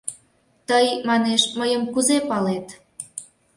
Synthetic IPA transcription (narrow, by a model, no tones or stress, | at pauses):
t̪əjmɑneʃməjəmkuzepɑlet̪